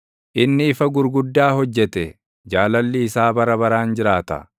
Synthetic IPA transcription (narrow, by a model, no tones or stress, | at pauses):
ʔɪnːɪːfɐɡʊɾɡʊd̪ːaːhɔd͡ʒːɛt̪ɛ | d͡ʒaːlɐlːɪːsaːbɐɾɐbɐɾaːnd͡ʒɪɾaːt̪ɐ̰